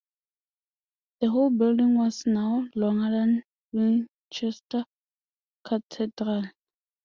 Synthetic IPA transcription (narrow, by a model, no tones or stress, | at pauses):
ð̥əɦolbɪldĩŋwɔsnaʊlɔ̃ŋədãn | wĩn | t͡ʃɛsta | kʰatʰɛdɾal